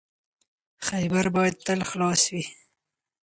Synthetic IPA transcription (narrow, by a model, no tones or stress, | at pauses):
xajbaɾbɑjad̪̚t̪əlxlɑswi